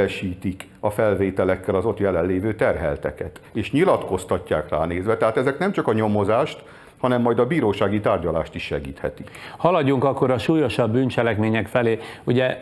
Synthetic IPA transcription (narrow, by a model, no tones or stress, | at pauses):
ɛʃiːt̪ik | ɒfɛlveːt̪ɛlɛkːɛlɒzo̞t̪jɛlɛlːeːvøːt̪ɛrɦɛ̰lt̪ɛ̰kɛt̪eːʃɲilɒt̪ko̞st̪ɒcːa̰ːkra̰ːneːzʋɛt̪ɛɦaːt̪ɛzɛknɛmt͡ʃɒkɒɲo̞mo̞zaːʃt̪ | hɒnɛmːɒjd̪ɒbiːɾoːʃaːɡit̪aːrɟɒla̰ːʃt̪iʃːɛ̰ɡiːt̪hɛ̰t̪ikhɒlɒɟːuŋkɒkːo̞ɾɒʃuːjo̞ʃɒbːyːnt͡ʃɛlɛkmeːɲɛkfɛleːuɟɛ